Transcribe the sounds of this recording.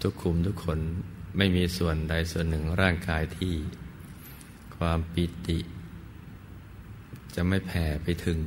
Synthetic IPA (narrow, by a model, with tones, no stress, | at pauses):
t̪ʰu˦˥˩kʰːu˧˩˦mt̪ʰuː˦˥kʰːo˧nma˥˩jmiː˧su˨˩ənda˧jsu˨˩ənːɯ˨˩ŋɾaː˥˩ŋkaː˧jt̪ʰiː˥˩ | kʰwaː˧mpi˨˩t̪i˨˩ʔ | t͡ɕa˨˩ma˥˩jpʰɛː˩˦pa˧jt̪ʰɯ˨˩˦ŋ